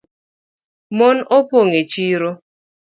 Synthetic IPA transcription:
mɔnopoŋet͡ʃiɾo

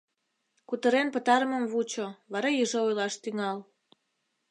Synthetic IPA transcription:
kut̪əɾenpət̪ɑɾəmə̆mvut͡ɕoβɑɾɑjyʒoojlɑʃt̪yŋɑl

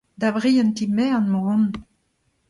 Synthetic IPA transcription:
d̪abʁiɑ̃nt̪imɛɑ̃nmoɔ̃n

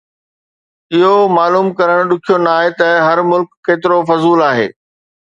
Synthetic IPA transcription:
ɪɦomaːluːmkɐɾəɽ̃ɗʊkʰijonaːɦet̪ɐɦɐɾmʊlkːeːt̪ɪɾofɐzuːlaːɦḛː

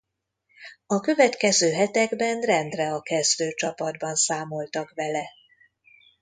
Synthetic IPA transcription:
ɒkø̞vɛt̪kɛzøːɦɛt̪ɛɡbɛnrɛnd̪rɛɒkɛzd̪øːt͡ʃɒpɒd̪bɒnsaːmo̞lt̪ɒkvɛlɛ

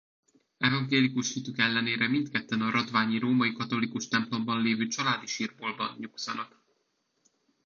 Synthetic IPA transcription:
ɛvɒŋɡeːlikuʃhit̪ykɛlːɛneːɾɛmint̪kɛt̪ːɛnɒɾɒd̪vaːɲiɾoːmɒikɒt̪o̞likuʃt̪ɛmplo̞mbɒnleːvøːt͡ʃɒlaːd̪iʃiːrboːlbɒ̰nɲuksɒnɒk

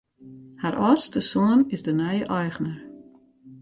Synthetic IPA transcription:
haɾʔɔrstəsoənɪzdənœjəʔɔjxnər

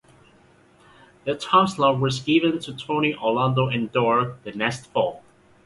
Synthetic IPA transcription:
ðɨtʰɑ̃mslɔwʌzɡɪvɨ̃ntʰɨtʰõʊñiʔɔlãndoʊɨ̃ndɔɹðɨnɛstfɔlˠ

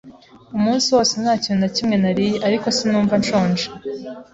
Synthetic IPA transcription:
umuːnsiwo̞ːsenhaːcindacimŋe̞naɾijeʔaɾiko̞sinuːɱvant͡ʃoːnd͡ʒe

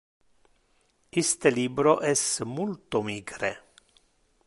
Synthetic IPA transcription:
ist̪eliːbɾoʔɛsmult̪omiːɡɾe

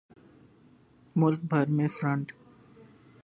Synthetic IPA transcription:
mʊlk̚bʱəɾmẽfɾə̃ɳʈ

